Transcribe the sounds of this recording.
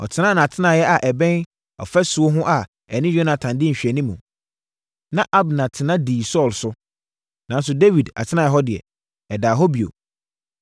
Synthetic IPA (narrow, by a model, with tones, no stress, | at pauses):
ɔ̰˨tʰɪ˦nã˦nã˨a˨tʰɪ˦nãː˨jɛ˦ʔa˨ʔɛ˨bɛ̃˦n | ɔ̰˨fɛ˦su˨o˦ɦʊ̃˦ʔa˨ | ɛ˨nɪ̃˦jᶣo˦nã˨tʰã˨ndɪ̃˦ɲ̩˨ɕᶣɛ˨nĩ˦mũ˨ | nã˦ʔa˦bnã˨tʰɪ˨nã˦diː˨sɔː˦˨lsʊ˦ | nã˨˦n˦s̬ʊ˨de˦wi˨da̰˨tʰɪ˦nã˨jɛ˦ɦɔ˦dɪ˨ɛ̰˨ | ɛ˨daː˨ɦɔ˦bi˨o̰˨